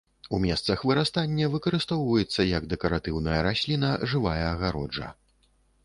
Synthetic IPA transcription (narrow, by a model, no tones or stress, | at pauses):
umʲɛst̪sɐxvɨɾast̪anʲːɐvɨkɐɾɨst̪ɔwvɐjɛt̪sːɐjɐɡd̪ɛkɐɾat̪ɨwnɐjɐɾasʲlʲinɐʐɨvajɐːɣaɾɔd͡ʐɐ̰